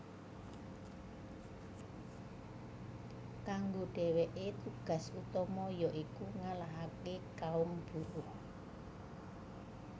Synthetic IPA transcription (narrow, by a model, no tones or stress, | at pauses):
kaŋɡoɖ̥ɛ̤weʔet̪uɡ̥a̤sut̪ɔmɔjɔʔikuŋalaɦakekaʊmb̥uɾʊh